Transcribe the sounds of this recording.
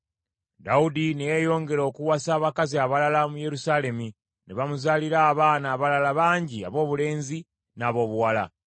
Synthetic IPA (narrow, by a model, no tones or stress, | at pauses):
daudinejejo̞ːŋɡe̞ɾo̞kuwasaːβakaziaβalalamuje̞ɾusaːle̞mu | neβamuzaːliɾaːβaːnaːβalalaβaːɲɟia̰βo̞ːβule̞ːnzi | naːβo̞ːβuwala̰